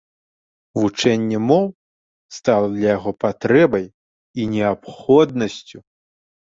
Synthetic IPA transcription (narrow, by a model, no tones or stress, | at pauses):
vut͡ʂɛnʲːɛmɔw | st̪alˠɐd̪lʲɐjaɣɔpat̪ɾɛbɐj | inʲɛapxɔd̪̚nɐsʲt͡sʲu